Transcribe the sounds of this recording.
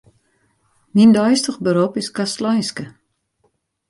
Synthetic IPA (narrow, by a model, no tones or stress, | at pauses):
nindɔjstəxbəɾopɪskastlɔjnskə